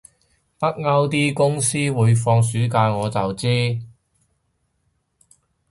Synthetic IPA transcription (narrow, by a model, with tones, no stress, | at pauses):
pɐ˥t̚ŋɐ˥wt̪̬iː˥kʊ˥ŋsiː˥wuː˨˧jfɔː˧ŋs̬yː˨˥kaː˧jŋɔː˨˧t͡sɐ˨wt͡siː˥